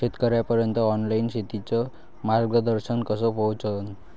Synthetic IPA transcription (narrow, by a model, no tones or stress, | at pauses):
et̪kʌɾjapʌɾjʌnt̪ʌːnlajnsit̪it͡sʌ | marɡʌd̪ʌɾsʌnkʌsʌpowt͡sʰʌn